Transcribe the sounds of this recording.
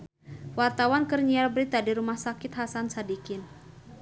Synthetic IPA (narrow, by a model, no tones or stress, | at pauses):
wart̪awankərɲialbɾit̪adiɾumahsakɪt̪ɦasansadikɪn